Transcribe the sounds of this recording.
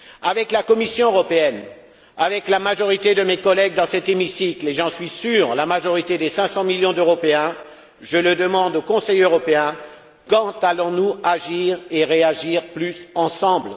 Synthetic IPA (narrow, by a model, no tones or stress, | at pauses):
avɛklakɔmisjɔ̃øʁɔpeɛn | avɛklamaʒɔʁit̪ed̪əmekɔlɛɡ̚d̪ɑ̃sɛt̪emisikleʒɑ̃sɥisyːʁlamaʒɔʁit̪ed̪esɛ̃sɑ̃miljɔ̃d̪øʁɔpeɛ̃ | ʒələd̪əmɑ̃d̪okɔ̃sɛjøʁɔpeɛ̃ | kɑ̃t̪alɔ̃nuaʒiʁeʁeaʒiʁplysɑ̃sɑ̃bl